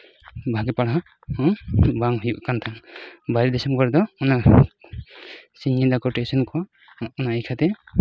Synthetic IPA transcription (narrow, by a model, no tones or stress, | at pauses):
bʱaɡɛpaɽaɦa | hɔ̃baŋɦujuʔkant̪ʰaŋbaɾid̪ɛsɔmkɔɾɛd̪ɔɔna | siɲːid̪akɔʈesɔnkɔː | naʔikʰat̪ɛ